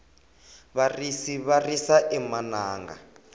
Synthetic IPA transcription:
βarisiβarisaʔɛmanaːŋɡa̰

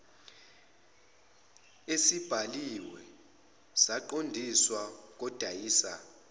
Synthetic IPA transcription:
esib̥ʱaliwɛ | z̥aǃondʱiswak̬ɔd̥ʱaiːsa

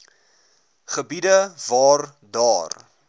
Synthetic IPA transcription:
χəbidəvɑːr | dɑːr

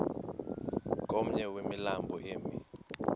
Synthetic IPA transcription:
k̬ʼom̩ɲɛwemilambʱɔʔeːmi

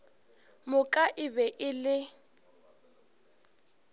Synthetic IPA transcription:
mʊkʼaʔɪbɛʔɪlɪ

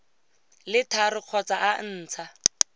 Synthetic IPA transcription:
lɪtʰarɪq͡χʰɔt͡saʔan̩ːt͡sʰa

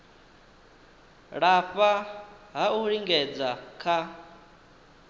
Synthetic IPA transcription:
ɺaɸʼaɦauɺiŋɡɛd͡zakʰa

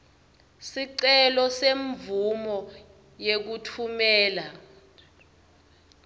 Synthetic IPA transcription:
siǀɛlɔseɱvumɔ | jek̬utʰumɛːla

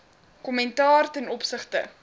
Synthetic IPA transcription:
kɔmɛntɑːrtɛnɔpsəχtə̰

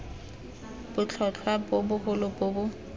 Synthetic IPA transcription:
b̥ʊt͡ɬʰɔt͡ɬʰwapʊbʊhʊlʊpʊːbʊ

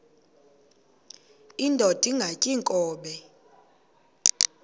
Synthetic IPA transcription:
indʱɔtʼiŋɡʱacʼiŋkʼɔːɓɛ

